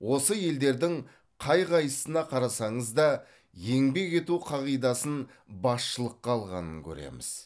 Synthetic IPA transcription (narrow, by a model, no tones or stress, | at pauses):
wo̞səje̞ld̪e̞ɾd̪ɪŋ | qʰɑjʁɑjəsənɑqʰɑɾɑsɑɴəzd̪ɑ | je̞ŋbe̞kʲe̞t̪uqʰɑʁijd̪ɑsən | bɑsʃəlˠəqːɑːlˠʁɑ̰nə̰ŋkʲʰɵ̰ɾḛmɪ̰z̥